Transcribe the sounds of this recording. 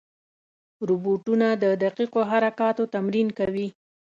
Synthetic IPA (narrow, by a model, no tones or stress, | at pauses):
ɾubuʈunad̪əd̪aqiqoɦaɾakɑt̪ot̪amɾinkawi